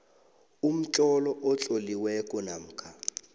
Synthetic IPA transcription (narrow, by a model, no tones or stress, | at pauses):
um̩t͡ɬʼɔlɔʔɔt͡ɬʼoliwɛkʼɔnam̩ːkʰa